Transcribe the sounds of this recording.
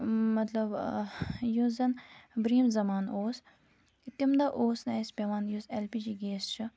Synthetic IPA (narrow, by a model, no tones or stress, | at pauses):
mɐt̪lɐb | juːzɐnbɾiːmzɐmaːnoːs | it̪imd̪aʔoːsnaːjspʲɐʋaːnjuselpiːd͡ʒiːɡeːst͡ʃʰɨ